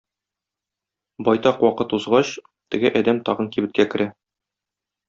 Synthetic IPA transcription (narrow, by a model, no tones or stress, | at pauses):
bɒjt̪ɑqwɒqɤt̪uzʁɑɕ | t̪ɘ̆ɡɘʔɒd̪æmt̪ɒʁɤnkibɘ̆t̪̚kækɘ̆ɾæ